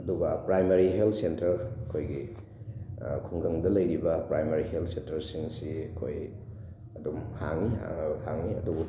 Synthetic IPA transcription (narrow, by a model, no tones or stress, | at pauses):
ɐdubɐpɾajmaɾiɦeltʰsentɐɾɐkʰojɡi | kʰuŋɡɐŋdɐlɐjɾibɐpɾajmaɾiheltʰsentɐɾsiŋsiɐkʰo̰j | ɐdumhaŋnḭhaŋniɐdubu